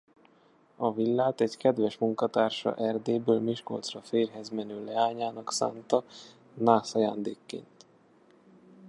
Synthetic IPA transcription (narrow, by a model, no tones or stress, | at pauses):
ɒvilːaːt̪ɛɟkɛd̪ʋɛʃmuŋkɒt̪aːrʃɒ̰ʔɛrd̪eːbøːlmiʃko̞̰lt̪srɒfeːrɦɛzmɛnøːlɛaːɲaːnɒksa̰ːnt̪ɒ | naːsɒjaːnd̪ḛːkːḛːnt̪